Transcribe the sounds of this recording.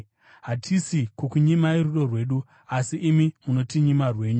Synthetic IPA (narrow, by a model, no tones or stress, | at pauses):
ɦatʰisikwokuɲimaiɾuɗo̞rwe̞ːɗu | asiʔːmimuno̞tiɲimarwe̞ːɲu